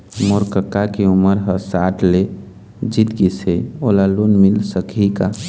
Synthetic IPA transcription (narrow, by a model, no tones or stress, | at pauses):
moɾkəkːakiuməɾɦəsaʈʰle | d͡ʒit̪ɡiseolalunmilsəkika